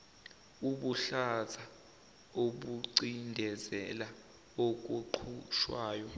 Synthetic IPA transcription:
uɓuɬazʱa | oɓuǀindʱɛzɛla | ok̬ʼuǃʰuʃwaːjɔ

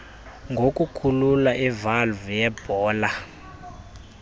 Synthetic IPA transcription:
ŋɡʱok̬ʼukʰululaʔivalvjɛb̥ʱɔːla

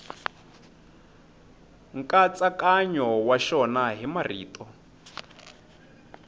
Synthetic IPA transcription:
ŋ̩kʼat͡sʼakʼaɲɔwaʃɔnaɦimariːtʼɔ

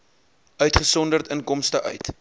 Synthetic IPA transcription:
ʔœɥtχəsɔndərtənkɔmstəʔœ̰ɥt

